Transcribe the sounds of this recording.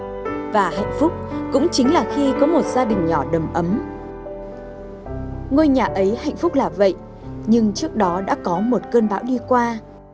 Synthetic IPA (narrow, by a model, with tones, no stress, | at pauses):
vaː˨˩ha̰˧˨jŋ̟fʊ˦˥k͡p̚kʊ̰˧˥ŋ͡mt͡ɕï˨˦ŋ̟laː˨˩xi˧kɔ˨˦mo˨˩t̚z̥aː˧ɗï˨˩ŋ̟ɲɔ˧˩ɗə˨˩mʔə˨˦m | ŋo˧jɲaː˨˩ʔə˨˦jha̰˧˨jŋ̟fʊ˦˥k͡p̚laː˨˩və̰˧˨jʔ | ɲɨ˧ŋt͡ɕɨ˦˥ək̚ɗɔ˨˦ɗa̰ː˧˥kɔ˨˦mo˨˩t̚kəː˧nɓaː˨˦wɗi˧kwaː˧